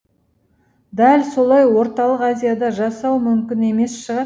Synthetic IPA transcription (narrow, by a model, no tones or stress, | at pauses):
d̪ælso̞lˠɑjwo̞ɾt̪ɑlˠəqazʲijad̪ɑʒɑsɑwmʏmkʲɪne̞me̞sʃəʁɑ